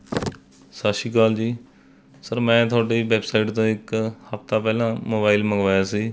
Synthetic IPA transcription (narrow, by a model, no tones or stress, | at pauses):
saːʃiːkaːld͡ʒiː | səɾmɛ̃ːt̪ʰʊaːɖeːʋɛːbsaːɪʈt̪õːɪkhəft̪aːpɛːlãːmoːbaːɪlməɡʋaːjaːsiː